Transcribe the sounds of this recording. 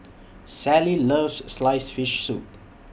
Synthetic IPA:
sæliləːvsːlaɪsfiʃsṵt

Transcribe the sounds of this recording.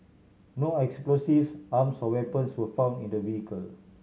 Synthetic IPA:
noɛksplosifamsɔwɛpə̃nswəfãw̃ndĩndəviikəl

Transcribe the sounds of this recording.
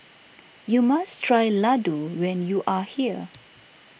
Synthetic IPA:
jumastʰɹajladuwɛ̃njuʔahiə

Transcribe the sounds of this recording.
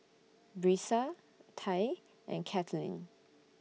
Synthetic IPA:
bɹisa | tʰaj | ʔɛ̰̃nkʰɛtʰəlḭ̃n

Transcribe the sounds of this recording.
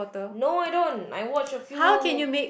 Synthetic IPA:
ɔt̪ənoajdõna̰jwɔt͡ʃəfjuhawkɛ̃njumek

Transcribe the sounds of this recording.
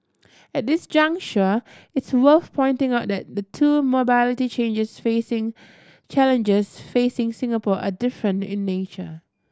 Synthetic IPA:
ɛt̚dɪsd͡ʒʌ̃ŋkt͡ʃəɪtswəlθpʰɔ̃ɪ̃ntɪ̃ŋaʊt̚dɛt̚dətʰumobælɪtit͡ʃẽnd͡ʒəsfesɪ̃ŋ | t͡ʃɛlə̃nd͡ʒəsfesɪ̃ŋsɪ̃ŋəpɔʔadɪfɹə̃ntɪ̰̃nːet͡ʃə̰

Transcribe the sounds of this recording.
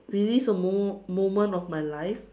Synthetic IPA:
ɹilisəmomõmə̃ntɔfmajlajf

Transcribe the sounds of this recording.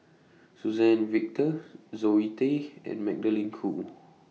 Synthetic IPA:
suzɛnvik̚t̪əzoit̪eɛ̰̃nmɛ̰k̚dəliŋkʰṵ

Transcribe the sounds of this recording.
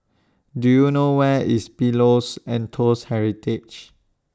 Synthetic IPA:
dujunowɛispilosɛ̃ntʰoshɛɹitit͡ʃ

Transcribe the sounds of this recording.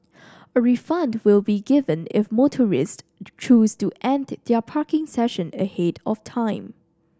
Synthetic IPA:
əɹifʌ̃ndwɪlˠbiɡɪvə̃nɪ̰fmotʰəɹɪst | t͡ʃustuʔɛ̃nddɛpʰaɹkɪ̃ŋsɛʃə̃nəhetɔftʰãɪ̃m

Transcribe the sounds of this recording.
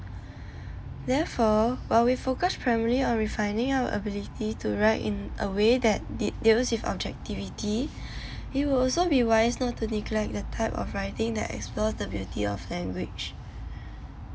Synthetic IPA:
dɛfɔwaɪlwifokəspʰɹaɪməliɔ̃nɹifãɪ̃ndɪ̃ŋawə̰ʔə̰bilitʰituɹaɪtɪ̰̃nʔə̰wedɛt̚dit̚dilswivɔ̰b̚d͡ʒɛk̚tiviti | it̚wɪlɔlsobiwaɪsnɔtʰːuniklɛk̚dətʰaɪpɔ̰fɹaɪtɪ̃ŋdɛ̰tɛ̰ksplɔsdəbjutʰiɔflɛ̃ŋɡwɪd͡ʒ

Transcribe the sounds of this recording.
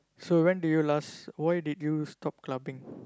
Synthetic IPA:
sowɛ̃ndujulaswajdidjustɔp̚klabĩŋ

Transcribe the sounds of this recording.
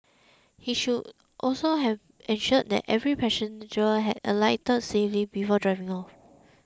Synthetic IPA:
hiʃud | ʔɔlsoɦɛv | ɛ̃nʃɔəd̚dɛ̰tɛvɹipʰɛʃə̃ndəɦɛdə̰laɪtəd̚seflibifɔdɹaɪvĩŋɔf

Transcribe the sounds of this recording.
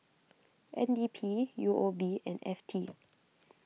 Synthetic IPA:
ʔɛ̰̃ndiːpʰiːjuʔobiːʔɛ̰̃nɛ̰ftʰi

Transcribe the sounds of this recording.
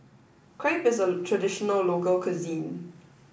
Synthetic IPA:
kʰɹeɪpɪzətʰɹədɪʃɔnəlːokəlkʰəzĩːn

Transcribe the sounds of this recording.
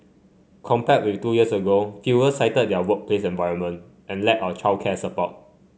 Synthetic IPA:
kʰɔ̃mpɛt̚wiftujiəsəɡofjuwəsaɪtəd̚dɛwək̚pʰlesɛ̃nvaɪɹə̃nmə̃n | ʔɛ̃nlɛt̚aʊət͡ʃʰakʰɛsəpɔ̰t̚

